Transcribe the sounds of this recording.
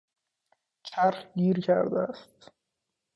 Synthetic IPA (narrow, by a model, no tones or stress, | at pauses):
t͡ʃʰæɾhɡiːɾcʰæ̰ɾd̪æst̪